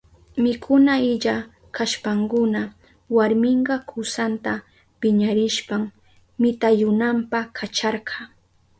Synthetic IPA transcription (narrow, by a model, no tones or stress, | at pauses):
mɪkʰʊnaɪʎa | kʰaʃpaŋkʊna | waɾmɪɴɢɑkʰʊsant̪a | pɪɲaɾɪʃpaŋ | mɪt̪ajʊnampakʰat͡ʃɑɾɢɑ